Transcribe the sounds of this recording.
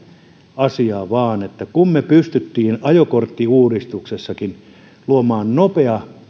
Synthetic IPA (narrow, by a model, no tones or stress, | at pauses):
ɑsiɑːʋɑːnet̪ːækummepyst̪yt̪ːiːnɑjokort̪ːiuːrist̪uksesːɑkin | luomɑːnnopeɑ